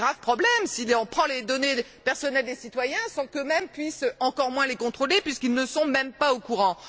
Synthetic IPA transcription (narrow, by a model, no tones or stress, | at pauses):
ʁavpχɔblɛmsilɑ̃pχɑ̃led̪ɔne | pɛʁsɔnɛld̪esit̪wajɛ̃sɑ̃kømɛmpɥisɑ̃kɔʁmwɛ̃lekɔ̃t̪χolepɥiskilnəsɔ̃mɛmpaokuʁɑ̃